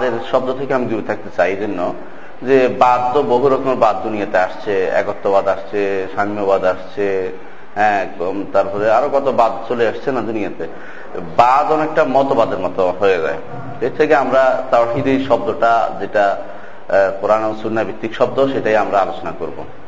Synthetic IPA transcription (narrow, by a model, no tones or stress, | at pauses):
ad̪eɾʃɔbd̪ot̪ʰekeamid̪ubit̪ʰak̚t̪et͡ɕajd͡ʑonːo | d͡ʑebad̪toboɦuɾɔkomeɾbad̪d͡ʑunijat̪eaʃt͡ɕʰeɛ̰kot̪ːobad̪aʃt͡ɕʰeʃanobad̪aʃt͡ɕʰe | ɦɛ̃t̪aɾpɔɾeaɾokɔt̪obad̪t͡ɕoleaʃt͡ɕʰenad͡ʑunijat̪e | bad̪ɔnek̚ʈamɔt̪obad̪eɾmɔt̪oɦoed͡ʑa̰e | ʃet̪ʰekeamɾat̪aʃid̪iʃɔb̚d̪oʈad͡ʑeʈa | poɾanosuɾnabikt̪ːikʃɔb̚d̪oʃeʈajamɾaalot͡ɕonakoɾbo̰